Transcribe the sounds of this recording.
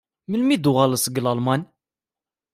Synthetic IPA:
məlmid̪uɣɑləsɡəlɑlmɑn

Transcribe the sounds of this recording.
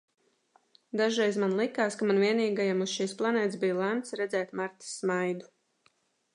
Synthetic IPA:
d̪aʒɾɛjzmanlˠikaːskamanviɛniːɡajamusʃiːsplˠanɛːt̪sbijlˠæmt̪sɾɛd̪zɛːt̪maɾt̪i̥sːmajd̪u

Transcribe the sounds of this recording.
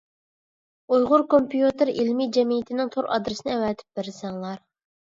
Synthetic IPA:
ujʁʊɾkompijut̪ɪɾilmid͡ʒɛmijit̪ʰɪnɪŋt̪ʰoɾɑ̰d̪ɾɨsɪnɪɛwɛːt̪ʰɪ̥p̚bɪɾsɛŋlˠɑɾ

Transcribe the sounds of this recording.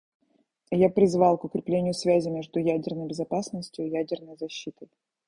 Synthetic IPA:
japɾʲɪzvɑlˠkʊkɾʲɪplʲenʲɪjʊsvʲæzʲɪmʲe̞ʐd̪ʊjædʲɪrnəjbʲɪzɐpasnəsʲtʲjʊɪjædʲɪrnəjzɐɕːit̪əj

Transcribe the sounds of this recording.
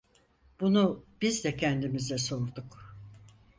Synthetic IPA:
b̥unub̥izd̪ɛcʰænd̪imizɛso̞ɾd̪uk

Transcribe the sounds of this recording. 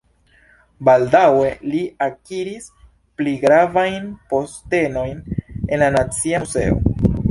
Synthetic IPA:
baldawe̞liakiɾis | pliɡɾavajnpo̞ste̞no̞jne̞̰nlanat͡siaze̞̰o̰

